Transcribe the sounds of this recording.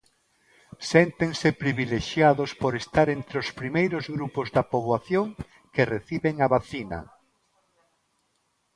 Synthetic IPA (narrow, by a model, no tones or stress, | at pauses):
sent̪eŋsepɾiβileʃjaðospoɾest̪aɾent̪ɾeospɾimejɾozɣɾupozðapoβwaθjoŋ | kereθiβeŋaβaθina̰